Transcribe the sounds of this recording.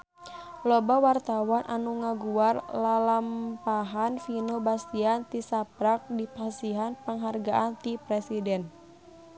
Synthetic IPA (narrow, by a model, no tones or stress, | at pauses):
lɔbawart̪awanʔa̰nuŋaɡuarlalampaɦanfinobast̪iant̪isapɾak̚dipasiɦanpaŋɦarɡaʔant̪ipɾɛsidɛn